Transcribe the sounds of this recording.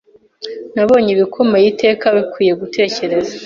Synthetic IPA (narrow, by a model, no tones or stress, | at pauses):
naβo̞ːɲiβikʰo̞mejite̞ːkaβikwiːje̞ɡutʰe̞ːce̞ɾe̞za